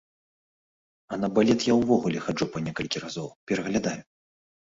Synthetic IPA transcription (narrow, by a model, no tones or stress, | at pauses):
ɐnɐbalʲɛt̪jawvɔɣulʲɛxad͡ʐupɐnʲɛkɐlʲkʲirazɔwpʲɛɾɐɣlʲad̪aju